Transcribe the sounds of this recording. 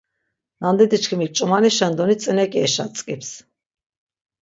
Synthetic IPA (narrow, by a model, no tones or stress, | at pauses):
nand̪ɛt̪it͡ʃkʰimik̚t͡ʃʼumaniʃɛnd̪ɔnit͡s̪ʼənɛkʼiɛʃat͡sʼkʼips